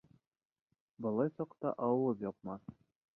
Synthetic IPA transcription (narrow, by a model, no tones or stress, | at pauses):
bɤ̆lˠɑjsɑqt̪ɑ̰ʔɑwɤpjɒp̚mɑθ